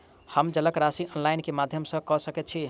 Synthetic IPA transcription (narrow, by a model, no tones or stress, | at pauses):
həmd͡ʒələkɾasiʔɔnlaɪnkemad̪ʱjəmsə̃kɔsəkɛt̪̚t͡ʃʰi